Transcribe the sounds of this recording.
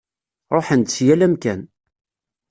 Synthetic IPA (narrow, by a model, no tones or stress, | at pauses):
ɾˤoħənt̪t͡sːjælæmkæn